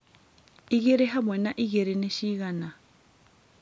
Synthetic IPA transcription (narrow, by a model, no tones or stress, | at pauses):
iɣeɾeɦamwɛnaʔiɣeɾɛneʃiɣana